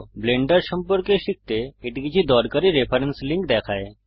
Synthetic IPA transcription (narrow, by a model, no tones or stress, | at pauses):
bleɳɖəɾʃəmpəɾkeʃik̚t̪eːʈkit͡ʃʰid̪ɔɾkəɾiɾepʰəɾənsliŋkd̪ɛkʰae